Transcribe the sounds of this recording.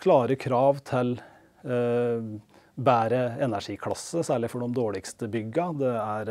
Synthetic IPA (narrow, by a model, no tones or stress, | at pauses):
kʰlɑːɾəkʰɾɑːʋt̪ʰɪl | bæːɾəɛnæʂiːkʰlɑ̰sːəsæːɭɪfɔɖɔmd̪oːɭɪkst̪əbʏɡɑd̪ɛæɾ